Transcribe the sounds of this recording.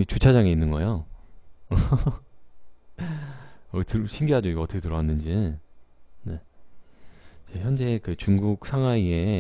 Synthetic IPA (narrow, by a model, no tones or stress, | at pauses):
it͡ɕut͡ɕʰad͡ʑaŋe̞inːɯnɡʌejo | ʌtɯɕʰimɡiɦad͡ʑoiɡoʌt͈ʰʌkʰetɯɾʌwanːɯnd͡ʑi | ne̞ | id͡ʑe̞çjʌnd͡ʑe̞kɯt͡ɕuŋɡuk̚sʰaŋɦwaie̞